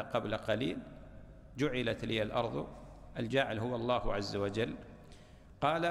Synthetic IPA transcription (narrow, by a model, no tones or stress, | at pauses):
qɑblaqɑlḭːl | d͡ʒʊʕɪlat̪lɪːalʔɑ̰ɾˤðˤ | ʔald͡ʒaːʕɪlɦʊwaɑlˤːɑːhʕazːawad͡ʒalː | qɑːla